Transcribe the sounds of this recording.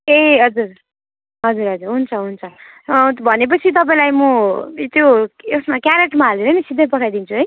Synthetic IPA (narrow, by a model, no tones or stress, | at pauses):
eɦʌd͡zur | ɦʌd͡zuɾɦʌd͡zurɦunt͡sʰʌɦunt͡sʰʌ | bʱʌnep̬ʌt͡sʰit̪̬ʌp̬aĩlajmʌt̪joesmakjaɾeʈmaʌlenʌnisid̪ʱːʌpʌʈʰajd̪int͡sʰuɦʌj